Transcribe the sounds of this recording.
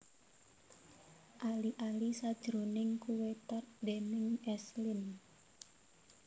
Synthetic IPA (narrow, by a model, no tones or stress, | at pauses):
ʔaliʔalisad̥ʒ̥ɾonɪŋkuwet̪ard̪enɪŋɛslɪn